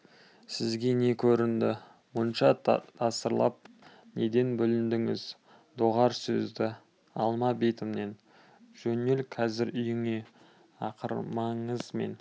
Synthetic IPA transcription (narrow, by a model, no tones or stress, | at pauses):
sɪzɡʲe̞ne̞kʲʰɵɾɪnd̪ɪ | mʊnʃɑt̪ʰɑsəɾlˠɑ̰p̚ | ne̞d̪e̞nbʏlɪnd̪ɪŋɪz | d̪oʁɑɾsɵzd̪ɪ | ɑlˠmɑbejt̪əmne̞n | ʒ̥ɵne̞lkʰɑzɪɾʏjɪŋe̞ | ɑqʰə̰ɾmɑɴəzme̞̰n